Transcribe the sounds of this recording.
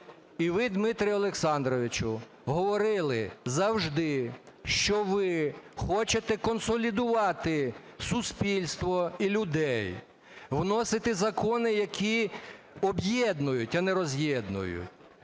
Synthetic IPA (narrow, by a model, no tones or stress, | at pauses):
iʋɪd̪mɪt̪ɾʲɪjʊɔlˠeksɑnd̪ɾɔʋʲɪt͡ʃʊ | ɦɔʋɔɾɪlˠɪzɐwʒd̪ɪ | ʃt͡ʃɔʋɪxɔt͡ʃet̪ɛkɔnsɔlʲid̪ʊʋɑt̪ɪsʊspʲilʲst̪ʋɔilʲʊd̪ɛj | ʋnɔsɪt̪ɪzɐkɔnɪjɐkʲʰi | ɔbjɛd̪nʊjʊtʲɐneɾɔzʲjɛd̪nʊ̰jʊ̰tʲ